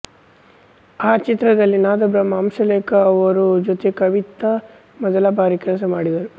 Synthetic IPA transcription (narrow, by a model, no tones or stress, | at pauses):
aːt͡ʃit̪ɾɐd̪ɐlːinaːd̪ɐbɾɐmaːmʃɐleːkɐːʋɐɾud͡ʒot̪ekɐʋit̪ɐ | mɐd̪ɐlaːbʱaːɾikɾɐs̬ɐmaːɽid̪ɐɾu